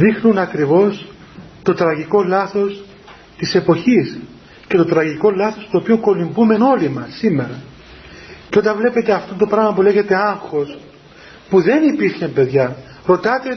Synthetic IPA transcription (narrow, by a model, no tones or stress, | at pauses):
ðixnunɐkɾivo̞s | t̪o̞t̪ɾɐʝiko̞lɐθo̞s | t̪ise̞po̞çis | ce̞t̪o̞t̪ɾɐʝiko̞lɐθo̞st̪oːpioŋko̞limbume̞no̞limɐsːime̞ɾɐ | ceo̞t̪ɐɱvle̞pe̞t̪eɐft̪ont̪o̞pɾɐɣmɐpule̞ʝe̞t̪e̞ɐŋxo̞s | puðe̞nipiɾçempe̞ðʝɐ | ɾo̞t̪ɐt̪e